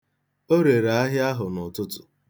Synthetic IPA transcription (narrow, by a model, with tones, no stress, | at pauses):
o˦ɾe˨ɾa˨a˦ɦɪ˦a˦ɦʊ˨nʊ˨tʊ˦tʊ˨